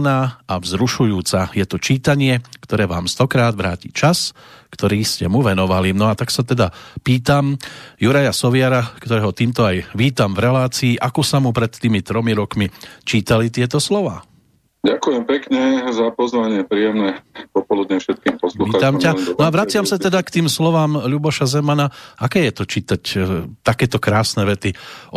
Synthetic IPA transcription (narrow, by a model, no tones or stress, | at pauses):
naːaʋzɾuʃujuːt͡sajɛt̪ɔt͡ʃiːt̪aɲɪɛkt̪ɔɾɛːʋa̰ːmst̪ɔkɾaːd̪ʋɾa̰ːcḭːt͡ʃas | kt̪ɔɾiːscɛmuʋɛnɔʋalinɔat̪aksat̪ɛd̪apiːt̪amjuɾajasɔʋɪaɾakt̪ɔɾɛːɦɔt̪iːmt̪ɔajʋiːt̪amvɾɛlaːt͡siːʔakɔsamupɾɛt̪t̪ːiːmit̪ɾɔmiɾɔkmit͡ʃiːt̪alit̪ɪɛt̪ɔslɔʋaː | ɟakujɛmpɛkɲɛzapɔzʋaɲɪɛpɾijɛmnɛpɔpɔlud̪ɲɛfʃɛt̪̚kiːmpɔsluxiaːt̪amcamnnɔaʋɾat͡sɪamsat̪ɛd̪akt̪iːmslɔʋaːmʎubɔʃazɛmanaʔakɛːjɛt̪ɔt͡ʃiːt̪act̪akɛːt̪ɔkɾaːsnɛʋɛt̪i